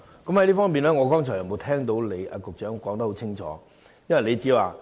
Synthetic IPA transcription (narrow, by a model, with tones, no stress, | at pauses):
kɐ˨˥mhɐ˧˥jliː˥fɔː˥ŋpiː˨˩nlɛː˥ŋɔː˨˧kɔː˥ŋt͡ʃʰɔː˨˩jɐ˨˩mo˨˧t̪ʰɛː˥ŋt̪o˨˥wle˨˧jʔa̰ː˧kʊ˨k̚t͡ʃœː˨˥ŋkɔː˨˥ŋt̪ɐ˦˥ho˨˥t͡sʰɪ˥ŋt͡ʃʰɔ̰ː˨˦ | jɐ˥nwɐ˨jle˨˧jt͡siː˨˥waː˨˩